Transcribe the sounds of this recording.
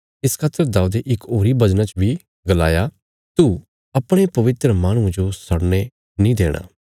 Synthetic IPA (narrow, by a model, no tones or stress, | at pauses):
ɪskʰaːt̪ːəɾd̪aːud̪eʔɪkoːɾibɐd͡ʒnãt͡ʃbʱi | ɡəla̰ːja | t̪u | ɐpɽ̃epɐʋɪt̪ɾəmaːɽ̃ũd͡ʒosɐɽne | nĩːd̪eːɽ̃a̰ː